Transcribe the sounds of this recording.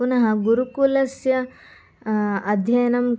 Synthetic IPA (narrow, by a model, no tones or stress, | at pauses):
unɐɦɐɡuɾukulɐsjɐ | ɐd̪ʱjɐjɐnɐm